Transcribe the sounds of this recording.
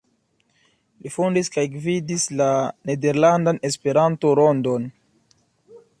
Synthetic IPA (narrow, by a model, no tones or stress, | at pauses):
lifundiskajɡvidislane̞de̞ɾlandane̞spe̞ɾanto̞ɾo̞ndon